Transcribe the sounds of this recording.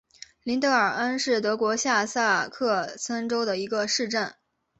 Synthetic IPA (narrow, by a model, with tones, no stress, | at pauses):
li˧˥nt̪ɤ˧˥ə˞˨˩ə˥nʂɻ̩˥˩t̪ɤ˧˥kwɔ˧˥ɕja˥˧sa˥˧kʰɤ˥˩t͡sʰə˥nʈ͡ʂo˥ʊd̪ə˨i˧˥ɡə˧ʂɻ̩˥˧ʈ͡ʂə˥˩n